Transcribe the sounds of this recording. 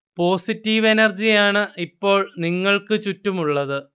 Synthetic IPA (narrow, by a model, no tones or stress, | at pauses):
po̞ːsitːiʋe̞nɐrd͡ʑijaːɳɨipːo̞ːɭniŋːɐɭkɨt͡ɕutːumuɭːɐðɨ